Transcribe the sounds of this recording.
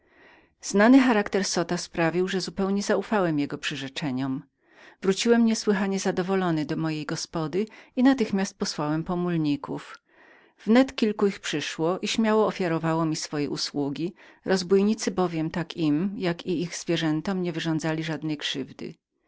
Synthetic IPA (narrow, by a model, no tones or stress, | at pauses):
z̥nanɘxaɾakt̪ɛɾsɔt̪aspɾavʲiwʐɛzupɛwɲɛzaufawɛmjɛɡɔpʂɘʐɛt͡ʂɛɲɔm | vɾut͡ɕiwɛmɲɛswɘxaɲɛzad̪ɔvɔlɔnɘd̪ɔmɔjejɡɔspɔd̪ɘinat̪ɘxmʲast̪̚pɔswawɛmpɔmulɲikuf | vnɛt̪kʲilkuixpʂɘʂwɔʔiɕmʲjawɔːfʲjaɾɔvawɔmʲisfɔjɛ̰ʔṵswuɡʲiɾʔɔzbujɲit̪sɘbɔvʲjɛmt̪akimjakiixz̥vʲjɛʐɛnt̪ɔmɲɛvɘʐɔ̃nd̪zalʲiʐad̪nɛjkʂɘvd̪ɘ̰